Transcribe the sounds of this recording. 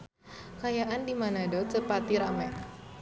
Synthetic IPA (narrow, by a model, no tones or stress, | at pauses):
kajaʔandimanadɔtəpat̪iɾamɛ